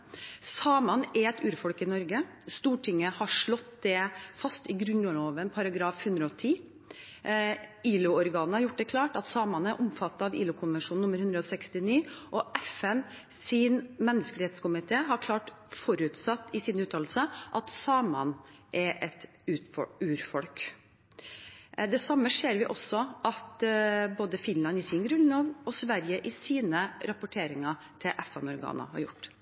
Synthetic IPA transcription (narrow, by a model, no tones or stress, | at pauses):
sɑːmɑnɛɾɛt̪ʉːɾfɔlkɪnɔɾɡə | st̪uːʈʰɪŋːəhɑʂɭɔt̪d̪ɛfɑst̪ɪɡɾʉnlloːʋənpʰɑɾɑɡɾɑːfhʉnd̪ɾəɔt̪ʰiː | iːlʊɔɾɡɑːnn̩hɑɾjʊʈ̚ːd̪ɛkʰlɑːʈɑt̪sɑːmɑnæɾʔʊmfɑt̪ːɑɑʋḭːlʊkʰʊnʋɛnʂuːn̩ʊmːəɾhʉnd̪ɾəɔsɛkst̪ɪniːʔɔʔɛfɛn | sɪnmɛnːəskəɾɛt̪skʊmɪt̪ʰeːɦɑɾkʰlɑːʈ | fɔɾʉt̪sɑt̪ːɪsɪnʉːt̪ʰɑːl̩səʔɑt̪sɑːmɑ̰nʔɛɾʔɛt̪ | ʉːɔʉːɾfɔlk | d̪ɛsɑmːəʂeːɾʋɪʔɔsːɔʔɑt̪boːd̪əfɪnlɑnɪsɪnɡɾʉnloːʋɔsʋæɾjəʔɪsiːnəɾɑpʊʈʰeːɾɪŋɑ | t̪ʰɪʔɛfɛnɔɾɡɑ̰ːnə̰hɑ̰ɾjʊ̰ʈː